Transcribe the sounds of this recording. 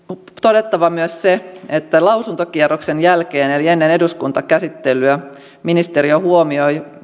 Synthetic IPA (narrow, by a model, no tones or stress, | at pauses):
t̪o̞de̞t̪ːɑʋɑmyøsseet̪ːælɑwsunt̪okierokse̞njælkeːnelie̞nːene̞duskunt̪ɑkæsit̪ːelːyæ | minist̪e̞ɾiohuomioj